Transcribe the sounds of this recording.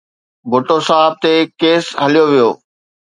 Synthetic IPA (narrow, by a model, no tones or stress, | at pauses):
bʱʊʈosaːɪb̚t̪ekeːsɦɐlijoʋijoː